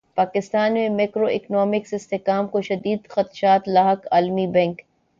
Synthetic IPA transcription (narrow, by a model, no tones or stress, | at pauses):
paːkɪst̪aːnmẽmeːkɾoʔɪknɔːmɪksɪst̪ɪkaːmkoʃɐd̪iːd̪xɐt̪ʃaːt̪laːɦəkaːlmibɛ̃ːŋk